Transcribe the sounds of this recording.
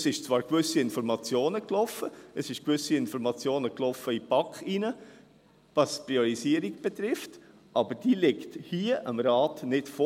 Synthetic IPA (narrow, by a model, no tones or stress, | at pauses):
sɪʃt͡svɑːɾkʋʏsiɪnfɔɾmɑt͡sjoːnəklɔfəəsɪʃkʋʏsiɪnfɔɾmɑt͡sjoːnəklɔfəipɑkχinə | vɑspɾiɔɾisiəɾikb̥ɛt̪ɾɪft | ʔɑbəɾd̥iːlɪkthiːəʔəmɾaːtnɪtfo